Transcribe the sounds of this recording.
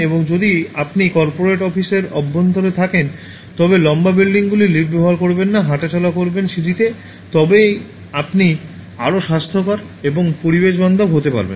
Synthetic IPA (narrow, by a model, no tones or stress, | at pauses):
eboŋd͡ʑod̪iapnikɔɾpoɾeʈɔfiseɾɔbːont̪oɾet̪ʰaken | t̪ɔbelɔmbabilɖiŋɡulilibbɛoaɾkoɾbenːaɦaʈet͡ɕɔlakoɾbenʃiʈit̪e | t̪ɔbe | apni | aɾoʃast̪ʰokaɾ | eboŋpoɾibeʃbɔnd̪ʱoɡɦot̪epa̰ɾbḛn